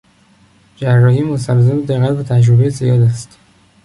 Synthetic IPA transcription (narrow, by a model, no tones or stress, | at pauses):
d͡ʒærːɒːhiːmost̪ælzemed̪eɣæt̪bet̪ʰæd͡ʒɾobejezijɒːd̪æst̪